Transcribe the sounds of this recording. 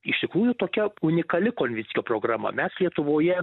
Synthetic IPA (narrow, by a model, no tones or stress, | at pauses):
ɪʃʲt̪ʲɪkɾuːjʊt̪oːkʲɛʊnʲɪkɐlʲɪkoːnʲʋʲɪt͡sʲɪjʲoːpɾoːɡrɐmɐ̰mʲɛslʲiɛt̪ʊʋoːjɛ